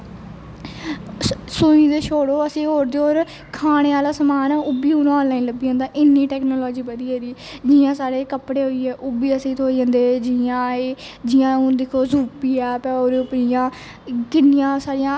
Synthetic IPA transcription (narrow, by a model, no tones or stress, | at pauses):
sũĩːd̪eːʃʰoːɽoːəsĩːɦoːɾd̪eːoːɾ | kʰaːɽ̃eːaːlaːsəmaːnãːʊbiːõːñːãːnlaːĩːləbiːãːnd̪aːʔɪnːiːʈɛːknoːlɔːd͡ʒiːpəd̪iːɛːd̪iːd͡ʒɪːãːsaːɾeːkəpɽeːɦoːiːɛːʔʊbiːəsĩːt̪ʰoːiːd͡ʒãːnd̪eːd͡ʒɪãːeːd͡ʒɪjãːũːd̪ɪkʰoːzuːpiːɛːpɛoːɾepɾijãː | kɪnːɪjãːsaːɾɪjãː